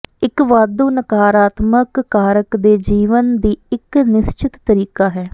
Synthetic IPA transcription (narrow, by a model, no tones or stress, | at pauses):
ɪkʋaːd̪uːnəkaːɾaːt̪məkːaːɾəkd̪eːd͡ʒiːʋənd̪iːɪknɪst͡ʃɪt̪ːəɾiːkaːɦɛː